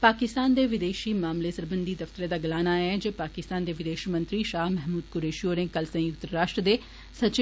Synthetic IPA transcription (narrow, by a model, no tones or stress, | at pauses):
paːkɪst̪aːnd̪eːʋɪd̪eːʃiːmaːmleːsəɾbənd̪iːd̪əft̪əɾeːd̪aːɡɐlaːnaɛd͡ʒeːpaːkɪst̪aːnd̪eːʋɪd̪eːʃimə̃nt̪ɾiʃaːɦmɛɦmuːd̪kʊɾeːʃioːɾẽːkəlsə̃jʊk̚t̪ɾaːʃʈɾəd̪eː | sət͡ʃ